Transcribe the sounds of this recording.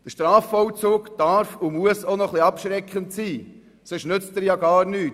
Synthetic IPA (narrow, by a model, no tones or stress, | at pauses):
d̥əʃtɾɑːfɔwt͡suːkd̥ɑɾfumuəsonɔχliɑpʃɾɛkχəntsiː | søʃnʏt͡stəɾjɑɡɑːɾnyːt